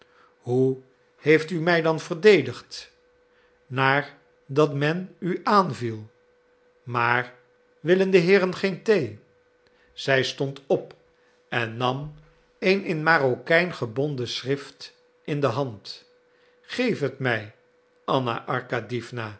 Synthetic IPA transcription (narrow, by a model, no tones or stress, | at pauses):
ɦu | hejftymɛjdɑnv̥əɹdejdəχt | naːɹ | dɑtmɛnyʔaːnvilˠ | maːɹ | ʋɪləndəɦɪːɾənχejntej | z̥ɛjstɔntʰɔp | ɛnːɑm | ejnɪnmaːrokɛjnχəbɔndəsrɪft | ɪndəɦɑnt | χejfətmɛj | ʔɑna̰ʔɑɹkadifnaː